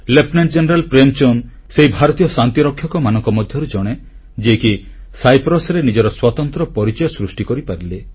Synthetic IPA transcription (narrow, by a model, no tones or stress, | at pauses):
lepnaɳd͡ʒeneɾalpɾemt͡ʃon | seɦibʱaɾɔt̪ijɔsant̪iɾɔkʰːjɔkɔmanɔŋkɔmɔd̪ʱjɔɾud͡ʒɔɽ̃e | d͡ʒeki | sajpʰɾɔsɔɾenid͡ʒɔɾɔswɔt̪ɔnt̪ɾɔpɔɾit͡ʃɔjɔsɾusʈikɔɾipaɾile